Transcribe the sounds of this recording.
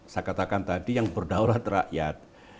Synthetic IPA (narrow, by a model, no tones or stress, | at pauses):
sakat̪akant̪adijaŋbərdawlat̪raʔjat̪̚